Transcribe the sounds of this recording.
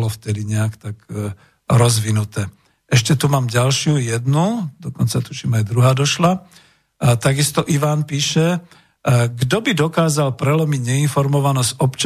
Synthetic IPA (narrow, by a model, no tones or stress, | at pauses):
lɔft̪ɛd̪iɲɛakt̪ak | ɾɔzʋinut̪ɛː | ʔɛʃcɛt̪umaːmɟalʃɪujɛd̪nud̪ɔkɔnt͡sat̪uʃimajd̪ɾuɦaːd̪ɔʃla | t̪aɡist̪ɔʔiʋaːnpiːʃɛ | ɡd̪ɔbid̪ɔkaːzalpɾɛlɔmiɟɲɛinfɔɾmɔʋanɔsɔpt͡ʃ